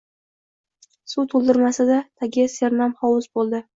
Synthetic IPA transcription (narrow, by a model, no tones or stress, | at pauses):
sut̪ʰolˠd̪ɪɾmasɪd̪at̪ʰaɡʲɪseɾnamχɒwʊzbolˠd̪ɪ